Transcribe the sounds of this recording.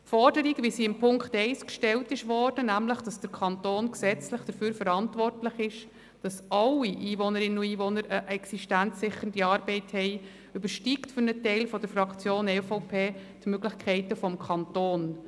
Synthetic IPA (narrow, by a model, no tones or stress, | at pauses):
fɔrdəɾiɡʋisiɪmpʰʊŋktɛɪskʃtɛltɪʃʋɔɾd̥ənæmləχd̥ɑsd̥əɾkʰɑntoːnksɛt͡slɪχd̥əɾfyːɾfəɾɑntʋɔrtlɪχɪʃ | d̥ɑsɑlːiʔiːvɔnəɾɪnənuiːʋɔnəɾəʔɛksiʃtænt͡sːɪχːən̩diɑːɾbɛɪthɛɪ | ʏbəɾʃtiktfʏɾnətɛɪlfɔdəɾfɾɑkt͡sjoːnɛfoʊpʰeːtmøɡlɪçkʰɛɪtəfɔmkʰɑntoːn